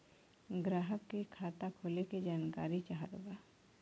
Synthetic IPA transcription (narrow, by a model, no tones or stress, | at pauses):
ɡɾaːɦəkːikʰaːt̪akʰoːleked͡ʒaːnka̰ːɾit͡ʃaɦad̪o̰ɡa